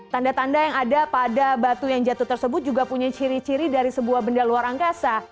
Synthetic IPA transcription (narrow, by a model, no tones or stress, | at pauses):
t̪andat̪andajaŋadapadabat̪ujaŋd͡ʒat̪uht̪ərsəbʊt̪̚d͡ʒuɡapuɲat͡ʃiɾit͡ʃiɾidaɾisəbuahbəndaluaɾaŋkasa